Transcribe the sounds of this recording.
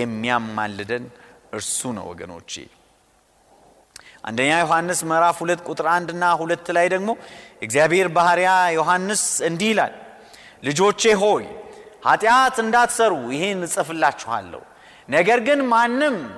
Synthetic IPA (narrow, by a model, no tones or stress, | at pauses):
jɛmːijamːa̰lːɨd̪ənʔɨɾsunə̰wɔ̰ɡə̰no̞̰t͡ʃːḛ | ʔa̰nd̪əɲːajo̞hanːɨsməɾafhulət̪ːkʼut̪ʼɨɾand̪ɨnːahulət̪ːlajd̪əɡmo̞jɛɡzjabhe̞ɾbahɾjajo̞ɦanːɨsɨnd̪ihila̰lː | ɨd͡ʒo̞t͡ʃːe̞ɦo̞jhat̪ʼjat̪ɨnd̪at̪səɾujɪhe̞nːɨsʼɨfɨlːat͡ʃːɛha̰lːə̰hu | nəɡəɾɡɨnmanːɨm